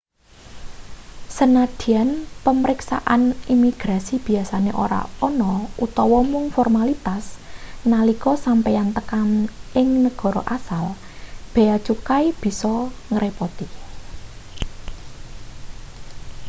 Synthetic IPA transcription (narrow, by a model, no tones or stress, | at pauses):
sənad̪̥i̤anpəməɾɪksa̰ʔanimiɡ̥ɾasib̥i̤asaneʔo̰ɾa̰ɔnɔʔut̪ɔwɔmuŋfɔrmalit̪asnalikɔsampejant̪əkamʔɪŋnəɡ̥ɔ̤ɾɔʔasal | b̥e̤at͡ʃukaib̥i̤sɔŋəɾepɔt̪i